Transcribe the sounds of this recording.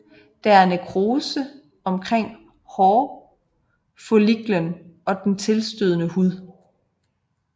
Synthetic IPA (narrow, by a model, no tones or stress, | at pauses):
d̥ææɐnekʰʁoːsə | ɒ̽mkʰʁeŋ̰ | hɒː | foliɡ̥lənɒ̽d̥ent͡sʰe̝lsd̥øðˠənəhuð̰ˠ